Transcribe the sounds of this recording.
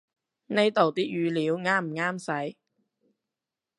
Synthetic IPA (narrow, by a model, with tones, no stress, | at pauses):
ne˨˧jt̪o˨˩wt̪iː˥k̚jyː˨˧liː˨˧˥wŋaː˥m̩˨˩ŋaː˥msɐ˨˥j